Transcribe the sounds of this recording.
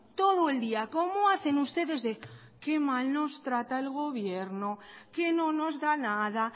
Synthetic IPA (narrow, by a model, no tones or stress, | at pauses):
t̪o̞ð̞oeld̪iako̞moaθe̞nust̪e̞ðe̞zðe | ke̞malno̞st̪ɾat̪ae̞lɣ̞o̞βjeɾnoke̞nono̞zðanaða